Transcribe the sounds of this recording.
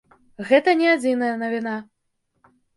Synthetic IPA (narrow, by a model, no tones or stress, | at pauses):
ɣɛt̪ɐnʲɛad͡zʲinɐjɐnɐvʲina